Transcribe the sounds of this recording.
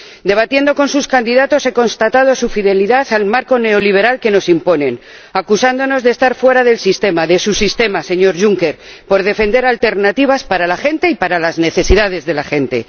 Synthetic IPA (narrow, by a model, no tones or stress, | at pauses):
d̪e̞β̞at̪je̞nd̪o̞ko̞nsuskand̪iðat̪o̞se̞ko̞nst̪at̪að̞o̞sufiðe̞liðaθalmaɾko̞ne̞o̞liβ̞e̞ɾalke̞no̞simpo̞ne̞n | akusand̪o̞no̞zðest̪aɾfwe̞ɾaðe̞lsist̪e̞maðe̞susist̪e̞mase̞ɲo̞ɾʝuŋke̞ɾpo̞ɾðe̞fe̞nd̪e̞ɾalt̪e̞ɾnat̪iβ̞aspaɾalaxe̞nt̪e̞ipaɾalazne̞θe̞siðað̞e̞zðe̞laxe̞nt̪e̞̰